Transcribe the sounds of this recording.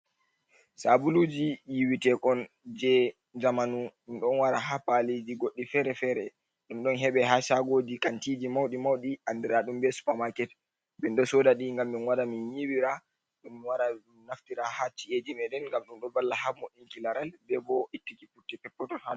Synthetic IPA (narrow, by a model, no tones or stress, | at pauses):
sabulud͡ʒijiwitɛkɔn | d͡ʒɛ | d͡ʒamanuɗumɗɔnwaɾaɦapalid͡ʒiɡoɗːifɛɾɛfɛɾɛ | ɗumɗɔnɦɛɓɛhaʃaɡoːdikantiːd͡ʒimawɗimawɗiʔandɛɾaɗumbɛsu̥pamakɛt | bɛnɗɔsɔdaɗiŋɡamːinwaɾaminjiwiɾa | ɗumːiwaɾa | naftiɾahat͡ʃiʔed͡ʒimɛdɛnŋɡamɗumɗɔbalːahamɔɗiŋkilaɾalbɛbɔitːikifutːɛpɛpːɔtɔha